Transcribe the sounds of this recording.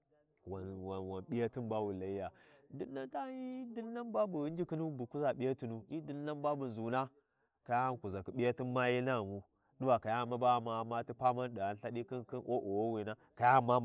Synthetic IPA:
wwa˨wa˨nɓi˦ja˦ti˦nba˦wu˨la˨i˦ja˨du˦nːa˦nta˦ji˦di˦nː˦a˦nba˦bu˨˦nd͡ʒi˦ki˦nu˦bu˨ku˦za˨ɓi˦ja˦ti˨nu˦i˦di˦nː˦a˦nba˦bu˨zu˨na˦ | ka˨ja˦˨ku˨za˨ki˨ɓi˦ja˦ti˦nma˦ji˦na˦˨mu˦ | ɗu˦wa˨ka˨ja˦˨ma˦ba˦˨ma˨ma˦ti˦pa˦ma˦nɗi˨a˦n˦ɬa˦ɗi˦ki˦nki˦nʔo˦ʔo˨wo˦wi˨na˦ | ka˨ja˦ma˦

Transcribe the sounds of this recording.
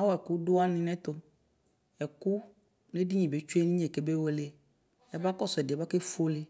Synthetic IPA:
a˦wɔ˦ɛ˨ku˦do˦a˦nɪ̃˨nɛ̃˦t̪o˨m | ɛ˨ku˦ | ne˦di˦ɲĩ˨be˨˦t͡ʃu˦e˦nĩ˦˨e˨ke˨˦be˦wo˦le˨ | ɛ˨ba˦kɔ˦sʊ˨ɛ˨dɛ˨ba˦ke˦fo˦le˨

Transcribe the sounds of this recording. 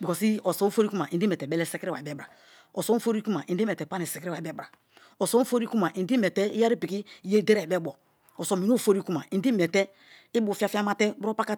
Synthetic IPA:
bi˨kɔ˨si˦o˨so˨˦o˦fo˦ɾi˦ku˦ma˨ʔi˨n˦di˦mɛ˨tɛ˨bɛ˦lɛ˦sɛ˦kɾi˦wa̰˨i˨bɛ˦bɾa˨ | o˨so˨˦fo˦ɾi˦ku˦ma˨ʔĩ˨˦de˦mɛ˨tɛ˨pa˦ne˨se˨kɾi˦wa˨ɛ˦bɾa˨ | o˨so˦fo˦ɾi˦ku˦ma˨ʔi˨ndi˦mɛ˨tɛ˦i˦ja˦ɾi˦pi˨ki˦˨je˦˨de˦ɾɛ˨bɛ˦bɔ˨ | o˨so˨mi˨n˦o˦˨fo˦ɾi˦ku˦ma˨ĩ˨˦di˦mɛ˨tɛ˦ | i˦bu˨fi˦a˦fi˦a˦ma˦tɛ˦bɾo˦pa˦ka˦

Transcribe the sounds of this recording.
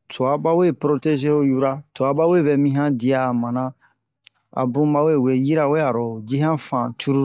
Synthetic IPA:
tʰo˨a˨ba˦we˦pɾo˦te˦ʒe˦o˦ju˦ɾa˦to˨a˨ba˦we˦˨bɛ˨mĩ˦ɦã˦di˨aː˨mã˨nã˦ | a̰˨bũ˦ma˦we˦˨we˨ji˦ɾa˦˨we˦a˨ɾɔ˨d͡ʒi˦ɦã˦fã˨tʰu˦ɾu˦

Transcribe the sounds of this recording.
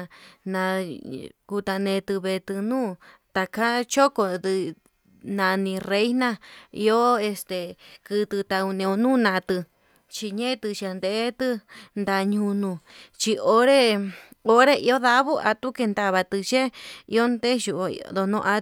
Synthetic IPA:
nã˧ | ku˧t̪a˧nẽ˧t̪ɨ˧βe˧t̪ɨ˧nũː˦ | t̪a˧kʰa˦t͡ʃo˦ko˧d̪ɨ˧ | nã˧nĩ˧re˧˦i˦nã˦˧ḭ˧o˦e˧st̪e˧kɨ˧t̪ɨ˧t̪a˧u˧nĩ˧o˧nũː˦nã˧t̪ɨ˧ | t͡ʃi˧ɲẽ˦˧t̪ɨ˧t͡ʃa˧nd̪e˧ʔe˦t̪ɨ˧nd̪a˧ɲũ˧nũ˧t͡ʃi˧o˧ɾe˦o˦ɾe˦ʔi˧˦o˦ða˧βu˦ʔa̰˧t̪u˦ke˧nd̪a˧βa˧t̪ɨ˧t͡ʃe˦ḭ˧o˦nd̪e˦ʃu˧ʔd̪o˧nõ̰˧ʔa˧

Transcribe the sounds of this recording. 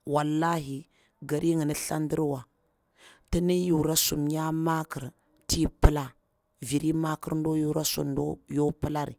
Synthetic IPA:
wa˨lːa˦ɦi˨ | ɡa˨ɾi˦ŋi˨ni˦ɬa˦ndi˦ɾwa˨ | ti˦ni˦ju˨ɾa˦su˨mja˦ma˦ki˨ɾ | ti˦pə˦la˦ | vi˨ɾi˦ma˦ki˦ɾn˦do˦ju˦ɾa˦sṵ˨ndo˦jo˦pə˦la˦ɾḭ˨

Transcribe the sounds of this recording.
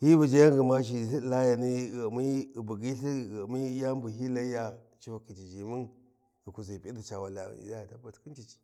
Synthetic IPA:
hi˦bu˨d͡ʒa˦ja˦ŋɡə˨ma˦ʃ̬i˨si˦˨la˦ja˨ni˦ɣmi˦˨bu˨ɡi˦ɬi˦˨mi˦ja˦m˦bu˨ɦi˦la˦ja˨ | t͡ʃi˦fa˨ki˨t͡ʃi˨d͡ʒi˨mu˦n | i˨ku˨zi˨pi˦di˨t͡ʃa˨wa˨la̰˨a˦ja˨ta˦ba˨tki˦t͡ʃi˦˨t͡ʃi̥˨

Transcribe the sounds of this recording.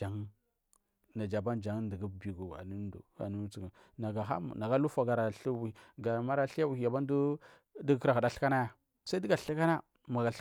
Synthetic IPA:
a˨ŋ | na˨d͡ʒa˨ba˦nd͡ʒa˨ŋ˦ndə˨ɡu˦˨bi˨ɡu˨a̰˨nu˦dṵ˨˦a̰˨nu˦t͡si˨ɡa˨ | na˨ɡa˨ɦa̰˦˨na˨ɡa˦lu˦fa˨ɡa˨ɾa˨ɬi˦wɡa˨ma˦ɾa˦ɬi˦ja˦wu˨i˨ja˨ba˦n˦du˦ | di˦ɡka˨ɣu˨da˦ɬka˦na˦ja˨ | sa˦di˦ɡa˨ɬi˦ka˦na˦ | ma˨ɡa˨ɬ

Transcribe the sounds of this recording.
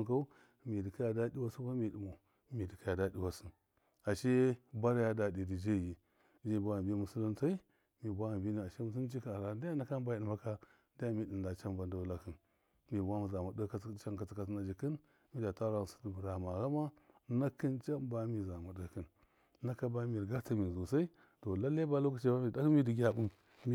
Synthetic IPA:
ka˦u˦ | mi˨di˨ka˦ja˨da˦ɗi˦wa˦su˦ka˦mi˨di˨mo˨ | mi˨di˨ka˦ja˨da˦ɗi˦wa˦si˦n | a˨ʃe˦ba˦ɾja˦da˨di˨di˨d͡ʒe˦˨ji˨ | d͡ʒi˦˨bʷa˦˨bi˦mu˨su˦li˦nta˦i˦ | mi˨bʷa˦˨bi˦ni˨a˨ʃi˦mu˨s̬u˦t͡ʃi˦ka˨ɾa˨˦da˦ja˦na˦ka˦n˦ba˦i˨ma˦ka˦ | da˦ja˦mi˦di˨nda˨t͡ʃa˦mba˨nda˨˦la˦ki˨n | mi˨bʷa˦mu˨za˨ma˨də˦ka˦t͡ʃa˦ŋka˨t͡si˨ka˨sna˨d͡ʒi˨kə˦n | mi˦da˨ta˦ɾa˦˨su̥˦dbu˨ɾa˨ma˨ɾa˦ma˦na˦ki˦nt͡ʃa˦mba˦mi˨za˨mu˨də˦ki˦˨n | na˦ka˦ba˦mi˨ɾɡa˦ta˦mi˨zo˨sa˦i˦ | to˨la˦le˦ba˦lo˦ka˦t͡ʃe˦ba˦mi˨da˦ki˦mi˦di˨ɡʲa˦bu˦m | mi˦

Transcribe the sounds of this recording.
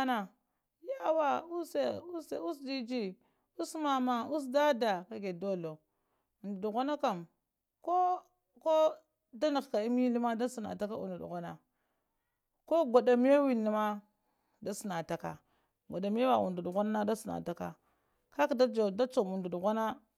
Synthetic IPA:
a˦na˨ | ja˦wa˦u˦se˨u˦se˨u˦sdi˦d͡ʒi˦ | u˦sma˨ma˨u˦s̬da˦da˨ka˨ɡe˨do˦lo˨ | u˨ndu˨du˨ɣʷa˦na˦ka˨m | ko˦ | ko˦ | da˦ni˨ɣka˨i˦mi˦li˦ma˦da˦si˨na̰˨ta˦ka˦ṵ˨ndu˨dṵ˨ɣa˦na˨ | ko˦ɡʷa˨da˨mi˦a˦wi˨ni˨ma˦ | da˦si˨na˨ta˨ka̰˨ | ɡʷa˨da˨mi˦a˦wa˨ṵ˨ndu˨du˨ɣa˦na˦na˦da˦si˨na̰˨ta˨ka̰˨ | ka˦kda˦d͡ʒo˨da˦t͡ʃo˨mu˨ndu˨du˨ɣa˦na˦

